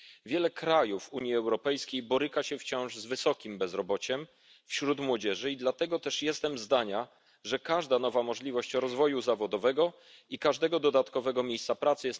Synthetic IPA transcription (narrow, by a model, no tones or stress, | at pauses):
vʲjɛlɛkɾajufuɲjiɛwɾɔpɛjskʲejbɔɾɘkaɕɛft͡ɕɔ̃w̃ʐzvɘsɔkʲimbɛzɾɔbɔt͡ɕɛm | fɕɾut̪mwɔd͡ʑɛʐɘid̪lat̪ɛɡɔt̪ɛʂjɛst̪ɛmzd̪aɲa | ʐɛkaʐd̪anɔvamɔʐlʲivɔɕt͡ɕɾɔzvɔjuzavɔd̪ɔvɛɡɔ | ikaʐd̪ɛɡɔd̪ɔd̪at̪kɔvɛɡɔmʲjejst̪sapɾat̪sɘjɛs